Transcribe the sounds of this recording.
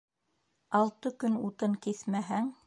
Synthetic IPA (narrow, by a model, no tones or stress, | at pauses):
ɑlˠt̪ɤkɵnut̪ɤŋkiθmæɦæŋ